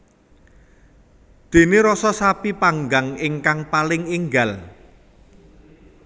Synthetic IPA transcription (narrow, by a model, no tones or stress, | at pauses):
d̪̥e̤neɾɔsɔsapipaŋɡaŋɪŋkaŋpalɪŋiŋɡal